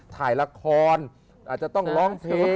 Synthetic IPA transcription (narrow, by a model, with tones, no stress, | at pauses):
t̪ʰaː˨˩jla˧kʰɔː˧n | ʔaː˨˩t͡ɕa˨˩t̪ɔ˥˩ŋlɔː˦˥ŋpʰeː˧